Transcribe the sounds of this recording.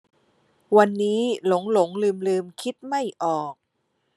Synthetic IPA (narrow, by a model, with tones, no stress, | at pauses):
wa˧nːiː˦˥lo˩˦ŋlo˩˦ŋlɯː˧mlɯː˧mkʰi˦˥t̪̚ma˥˩jʔɔː˨˩k̚